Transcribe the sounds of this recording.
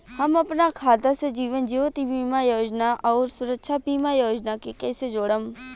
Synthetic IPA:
hɐmɐpnakʰaːd̪ased͡ʒiːʋənd͡ʒiːʋət̪ibiːmajoːd͡ʒnaʔɔːɾsʊɾəkʃʰabiːmajoːd͡ʒnakekɛːsed͡ʒoːɽəm

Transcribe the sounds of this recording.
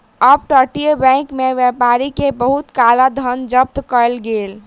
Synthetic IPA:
əb̚ʈəʈibɛ̃kmeʋjɛpaɾikebəɦut̪kalad̪ʱənd͡ʒəp̚t̪kəelɡel

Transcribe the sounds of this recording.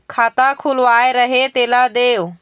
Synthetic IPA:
kʰaːt̪akʰʊlʋaːeɾɐɦet̪eːlad̪eːʋ

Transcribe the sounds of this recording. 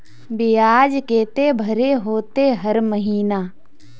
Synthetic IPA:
beːaːd͡ʒkeːt̪ebʱəɾeɦoːt̪eɦəɾməɦiːnaː

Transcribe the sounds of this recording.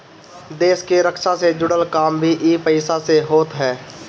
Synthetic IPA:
d̪eːskeɾəkʃased͡ʒʊɽəlkaːmbʱiʔiːpəɪsaseɦoːt̪ɦɛː

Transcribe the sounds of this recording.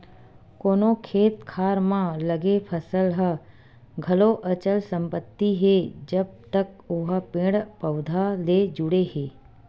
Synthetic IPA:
koːnokʰeːt̪kʰaːɾmãləɡepʰəsəlɦə | ɡʱɐloʔət͡ʃəlsə̃mpət̪ːiɦeːd͡ʒəb̚t̪ək | ʊɦəpẽːɽpəʊd̪ʱaleːd͡ʒʊɽeheː

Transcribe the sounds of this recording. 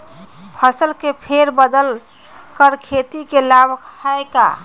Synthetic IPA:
pʰəsəlkepʰeɾbəd̪əl | kəɾkʰet̪ikelabʱkaeka̰

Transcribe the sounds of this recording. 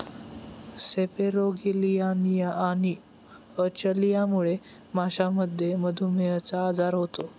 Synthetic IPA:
sepeɾoɡilijanijaaɽ̃i | ət͡ɕəlijamuɭe | maɕaməd̪ʱjeməd̪ʱumejət͡saːd͡zaɾɦot̪o

